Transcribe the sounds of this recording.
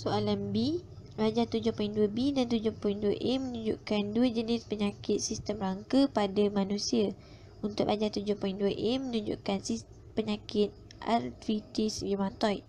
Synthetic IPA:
soalanbi | rad͡ʒat̪ud͡ʒʊhpɔiŋduəbidant̪ud͡ʒʊhpoĩŋduəʔɛmənũɲd͡ʒṵʔkanduəd͡ʒənispəɲakɪt̪̚sist̪əmraŋkəpadamãnũsia | unt̪ʊʔʔad͡ʒat̪ud͡ʒʊhpɔjĩŋduəʔɛmə̃nũɲd͡ʒṵʔkansi | pəɲakɪt̪̚ | ʔa̰rt̪ɾit̪isjimãt̪ɔjʔ

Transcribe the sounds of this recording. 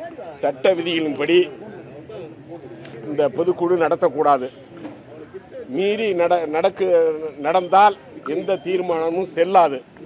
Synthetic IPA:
sɐʈːɐʋɪðɪjɐɭɪnpɐɽi | ɪnd̪ɐpɔðɯkːuɻɯnɐɽɐt̪ːɐkːuːɽaːðɯ | miːɾinɐɽɐnɐɽɐkːɯnɐɽɐnd̪aːl | ɛnd̪ɐt̪iːɾmaːɳɐmɯ̃msɛlːaːðɯ

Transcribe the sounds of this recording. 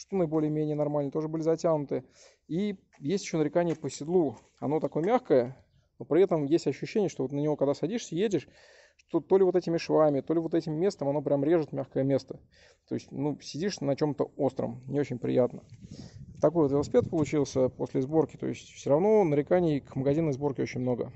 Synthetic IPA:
ʂt̪onəɪbo̞lʲɪjəmʲenʲɪjənɐrmalʲnt̪o̞ʐɨbɨlʲɪzɐtʲanʊt̪ɨ | i | jesʲtʲɪ̥ɕːonəɾʲɪkanʲɪːpəsʲɪd̪lˠu | ɐ̰no̞t̪ɐko̞jəmʲaxkəjə | nopɾʲɪɛt̪əmjesʲtʲɐɕːʉɕːenʲɪjəʂt̪oo̞t̪nənʲɪvo̞kɐɡd̪asɐdʲiʂsʲəjedʲɪʂ | ʂt̪o̞t̪olʲɪvo̞t̪ɛtʲɪmʲɪʂvamʲɪt̪o̞lʲɪvo̞t̪̬ɛtʲɪmːʲe̞st̪əmɐno̞pɾʲamɾʲe̞ʐɨt̪mʲaxkəjəmʲe̞st̪ə̥ | t̪o̞̰ɪsʲtʲnusʲɪdʲiʂnɐt͡ɕo̞mt̪əo̞st̪ɾə̰mnʲɪo̞t͡ɕɪnʲpɾʲɪ̰jat̪nə | t̪ɐko̞jvot̪ʲɪt̪ˠspʲet̪̚pəlˠʊt͡ɕilˠsʲəposʲlʲɪzbo̞rkʲɪ̥t̪o̞̰ɪsʲtʲfsʲoɾɐvno̞nəɾʲɪkanʲɪɪkʰməɡɐzʲinəjzbo̞rkʲɪo̞t͡ɕɪnʲmno̞ɡə

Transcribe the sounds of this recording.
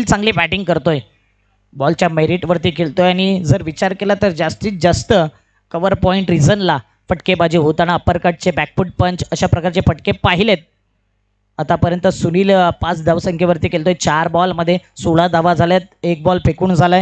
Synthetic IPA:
lt͡sãŋɡliːbæʈiŋɡkəɾt̪oj | bɔlt͡ɕjameɾiʈʋəɾt̪iːkelt̪ojaɽ̃id͡zəɾʋit͡ɕaɾkelat̪əɾd͡zast̪iːt͡sd͡zast̪ə | kəʋəɾpɔiɳʈɾid͡zənla | fəʈkebad͡ʑiːɦot̪añaəpəɾkaʈ̚t͡sebæk̚fuʈ̚pəɲt͡ɕəɕapɾəkaɾt͡ɕefəʈkepaɦilet̪̚ | at̪apəɾjənt̪əsuniːlpat͡sd̪ʱaʋsə̃ŋkʰeʋəɾt̪iːkelt̪ojt͡ɕaɾbɔlməd̪ʱːjesoɭad̪aʋad͡zʱaljat̪̚ek̚bɔlpekuːɳd͡zʱaləj

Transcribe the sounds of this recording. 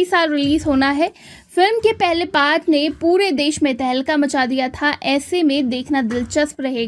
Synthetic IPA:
isaːlɾɪliːzɦoːnaɦɛː | fɪlmkepɛɦlepaːɾʈnepuːɾed̪eːʃmẽt̪ɛɦɛlkamɐt͡ʃad̪ijat̪ʰaʔɛːsemẽd̪eːkʰnad̪ɪlt͡ʃəspɾɐɦeːɡa

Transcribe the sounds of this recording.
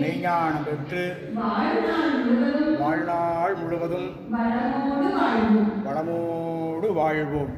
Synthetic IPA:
nɛːɲaːɳɐmpɛʈrɯ | ʋaːɻnaːɻʊɣɯɐðɯmʋaːɻnaːɻmʊɻɯɣɐðɯm | ʋɐɽɐmoːɽɯʋaːɻʋɯmʋɐɽɐmoɽɯʋaːɻʋɯm

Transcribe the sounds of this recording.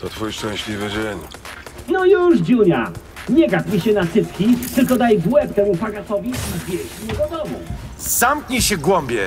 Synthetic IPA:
t̪ɔt̪fujʂt͡ʂɛ̃ɕlʲivɘd͡ʑeɲnɔjuʐd͡ʑuɲa̰ | ɲɛɡad̪mʲiɕɛnasɘt̪kʲit̪ɘlkɔd̪ajɡ̪wɛpt̪ɛmupaɡasɔvʲbʲiivʲjɛɕmʲiɲɛd̪ɔd̪ɔmṵzamkɲiɕɛɡwɔmbʲjɛ

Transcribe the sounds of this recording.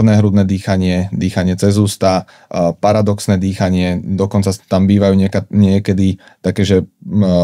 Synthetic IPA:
nɛɦɾud̪nɛd̪iːxaɲɪɛd̪iːxaɲɪɛt͡sɛzuːst̪a | paɾad̪ɔksnɛd̪iːxaɲɪɛd̪ɔkɔnt͡sat̪ambiːʋajuːɲɪɛkaɲɪɛkɛd̪i | t̪akɛːʒɛ

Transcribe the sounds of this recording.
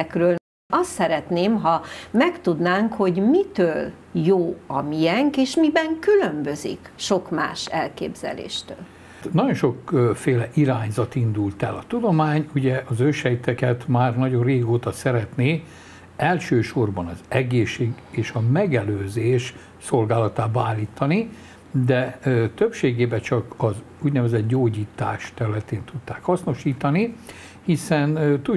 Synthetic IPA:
krøːl | ɒst̪sɛɾɛt̪neːmɦɒmɛkt̪ud̪naːŋkho̞ɟmit̪øːl | joːɒmijɛŋkeːʃmibɛŋkylø̞mbø̞zḭkʃo̞kma̰ːʃɛlkḛːbz̥ɛ̰lḛːʃt̪ø̰ːl | nɒɟõ̞nʃo̞kfeːlɛʔiɾaːɲzɒt̪ind̪ult̪ɛlɒt̪ud̪o̞maːɲuɟɛʔɒzøʃhɛjt̪ɛkɛt̪maːrnɒɟo̞rreːɡoːt̪ɒsɛɾɛt̪neː | ɛlʃøːʃorbɒnɒzɛɡeːʃːeːɡ | eːʃɒmɛɡɛløːzeːʃ | so̞lɡaːlɒt̪aːbɔaːlːiːt̪ːɒni | d̪ɛt̪øpʃeːɡeːbɛt͡ʃɒkɒz | uɟnɛvɛzɛd̪ɟoːɟiːt̪a̰ːʃt̪ɛɾylɛt̪eːnt̪ut̪ːaːkhɒsno̞ʃiːt̪ɒni | hisɛnt̪u

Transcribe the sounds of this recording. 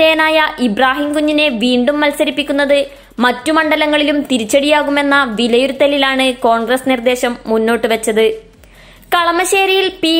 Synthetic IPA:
ejɐnaːjɐʔibraːɦimkuɲːine̞ʋiːɳɖumːɐlsɐɾipːikʲːunːɐðɨ | mɐtːumɐɳɖɐlɐŋːɐɭilumt̪iɾit͡ɕːɐɽijaːɣume̞nːɐʋilɐjuɾut̪ːɐlilaːɳɨko̞ːɳɡrɐsnird̪e̞ːɕɐmːunːo̞ːʈːɨʋɐt͡ɕːɐðɨ | kɐɭɐmɐɕeːɾijilpiː

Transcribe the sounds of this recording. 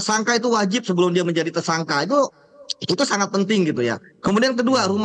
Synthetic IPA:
saŋkait̪̬uwad͡ʒɪp̚səbəlʊmdiaməɲd͡ʒadit̪ərsaŋkait̪u | it̪usaŋat̪̚pənt̪ɪŋɡit̪uja̰kəmudiankəduaɾum

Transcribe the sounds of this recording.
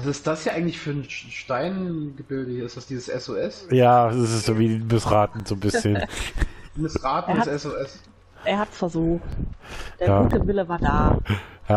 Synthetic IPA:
azɪst̚d̥asjaːʔaɪɡŋ̩tlɪçfyːɐnʃtaɪnɡəbɪldəhiːɐɪstd̥asd̥iːzəsʔɛsoɛsjḁːɪsɪstz̥oːviːmɪsʁaːtn̩z̥oːnbɪsçənn | mɪsʁaːtn̩dsɛsoɛs | ʔeːɐhatfɛɐzuːxtd̥eːɐaɡːuːtʰəvɪləvaːɐdaːja

